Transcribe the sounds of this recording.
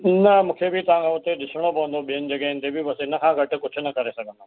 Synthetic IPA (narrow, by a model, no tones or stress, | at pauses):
nɐmũːkʰebʱɪt̪ɐʋ̤ãkʰãʊt̪eɗɪsəɽ̃opɐʋə̃nd̪oɓijənɪ̆d͡ʑɐɡəɪ̃nɪt̪ebʱibɐsenɐkʰãːɡʱɐʈʊ̆kʊd͡ʑʱʊ̆nɐkɐɾesɐɡʱə̃nd̪o